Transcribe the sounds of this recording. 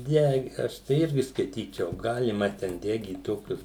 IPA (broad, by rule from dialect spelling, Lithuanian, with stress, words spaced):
ˈdʲɛ ˈɐʃ tɐɪ ˈɪrʲɡʲɪ skɐɪˈtʲiːt͡ʃʲɛʊ ˈɡɑːlʲɪmɐ tʲɛn ˈdʲæːɡʲiːt ˈtoːkʲʊs